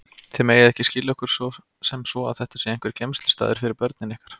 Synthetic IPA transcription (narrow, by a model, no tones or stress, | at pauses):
θemeːjaðɛhcɪscɪlɪɔhkʏɾ̥sɔ | sɛmsvɔa̰ðθɛht̪asɛɾejŋ̥kvɛɾ̥cejmst̪lɪ̥st̪a̰ːðɪɾfɪɾɪɾpœɾt̪nɪnɪhkḁɾ̥